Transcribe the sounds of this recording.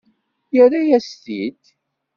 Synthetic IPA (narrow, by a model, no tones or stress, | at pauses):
jəɾajæst̪id̪